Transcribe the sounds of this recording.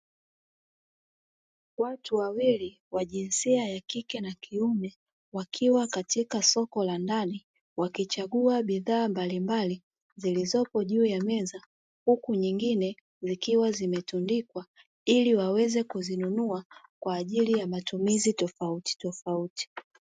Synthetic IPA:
watuwawili | waʄinsiajakikɛnakʰiumɛ | wakʰiwakatikasɔkɔlandani | wakit͡ʃaɠuaɓiðaːmbalimbali | zilizɔpɔʄuːjamɛza | hukuɲiŋɡinɛ | zikiwazimɛtundikwa | iliwawɛzɛkuzinunuakwaːʄilijamatumizitɔfauti̥tɔfauti̥

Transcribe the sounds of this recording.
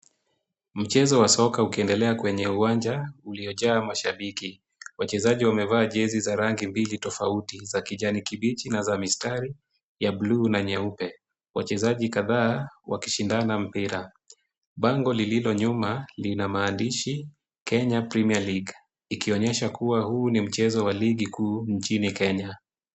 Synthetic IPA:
m̩t͡ʃɛzɔwasɔkaukiɛndɛlɛakwɛɲɛuwaɲd͡ʒauliɔʄaːmaʃaɓiki | wat͡ʃɛzaʄiwamɛvaːʄɛzizaɾaŋɡimbilitɔfautizakiʄanikiɓit͡ʃinazamistaɾi | jablunaɲɛupɛ | wa̰t͡ʃɛzaʄikaðaːwaki̥ʃindanam̩piɾa | ɓaŋɡɔlililɔɲumalinamaːndiʃi | kɛɲapɾɛmialiɡ | ikiɔɲɛʃakuwahuːnim̩t͡ʃɛzɔwaliɡikuːɲt͡ʃinikɛɲa

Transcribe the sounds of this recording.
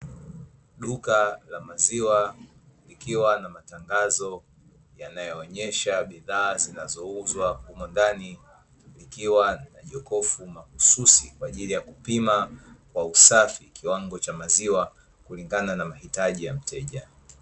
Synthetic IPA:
ɗukalamaziwa | likiwanamataŋɡazɔ | janajɔːɲɛʃaɓiðaːzinazɔuzwahumɔndani | likiwanaʄɔkɔfumakususikwaːʄilijakupimakwausafikiwaŋɡɔt͡ʃamaziwa | kuliŋɡananamahitaʄijam̩tʰɛʄa

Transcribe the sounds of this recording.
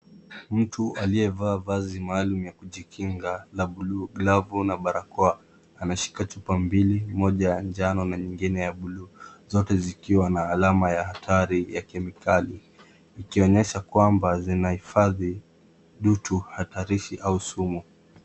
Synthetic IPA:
m̩tʰualiɛvaːvazimaːlumujakuʄikʰiŋɡalaɓuluːɡlavunaɓaɾakɔaː | naʃi̥kat͡ʃupambilimɔʄajand͡ʒanɔnaɲiŋɡinɛjaɓuluːzɔtɛzikiwanaːlamajahatʰaɾijakɛmikʰaliː | kiɔɲɛʃakwambazinahifaði | ɗutʰuhataɾiʃiʔausumu

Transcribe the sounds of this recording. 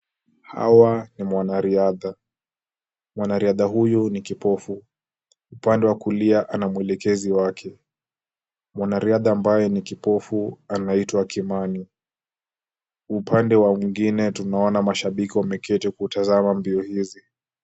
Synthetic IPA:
ha̰wanimwanaɾiaða | mwanaɾiaðaɦujunikipɔfu | upandɛwakuliaʔanamuɛlɛkɛziwakʰɛ | mwanaɾiaðaːmbajɛnikipɔfuanaitwakimani | upʰandɛwamiŋɡinɛtunaɔnamaʃaɓikiwamɛkʰɛtɛkuːtazamambiɔhizi

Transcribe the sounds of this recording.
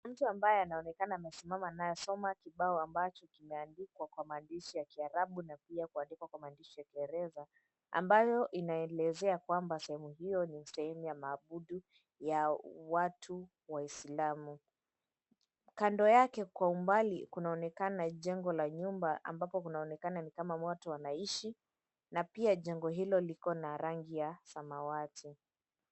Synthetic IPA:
m̩tuambajɛanaɔnɛkanaːmɛsimamanajɔsɔmakiɓaɔambat͡ʃɔkimɛandikwakwamaːndiʃijakiaɾaɓunapiakuandikwakwamaːndiʃijakiɛɾɛza | a̰mbajɔʔinaɛlɛzɛakwambasɛhɛmuhijɔnisɛhɛmujamaːɓuɗu | jawatʰu | waislamu | kandɔjakɛkwaumbalikunaɔnɛkanaʄɛŋɡɔlaɲumbaʔa̰mbapɔkunaɔnɛkananikamamɔtɔwanaiʃi | napiaʄɛŋɡɔɦilɔlikɔnaɾaŋɡijasamawatʰi

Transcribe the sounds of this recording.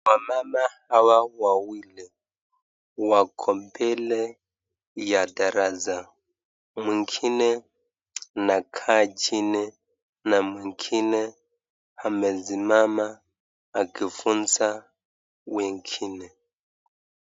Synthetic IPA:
wamamahawawawili | wakʰɔmpʰɛlɛ | jadaɾaza | miŋkʰinɛ | nakʰad͡ʒinɛ | namwiŋkʰinɛ | hamɛzimamaː | kifunt͡sa | wɛŋkʰinɛ

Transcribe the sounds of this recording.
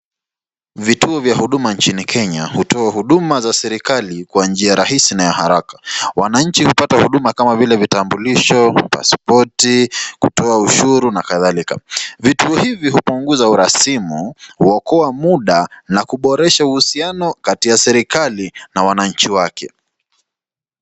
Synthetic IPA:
vituɔvjahuɗumant͡ʃinikʰɛɲahutɔahuɗumazasɛɾikalikwand͡ʒiaɾaɦisinajahaɾakḁwanaɲ̩t͡ʃihupatahuɗumakamavilɛvitambuliʃɔpa̰spɔtikutɔauʃuɾunakaðalika̰vituɔhivihupuŋɡuzauɾasimuhuwɔkɔamuɗanakuɓɔɾɛʃauhusianɔkatiasɛɾikalinawanaɲ̩t͡ʃiwakʰɛ

